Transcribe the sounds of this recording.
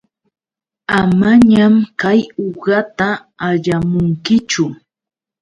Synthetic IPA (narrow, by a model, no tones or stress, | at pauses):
amaɲamkajoɢɑt̪aː | ʎamʊŋkɪt͡ʃʊ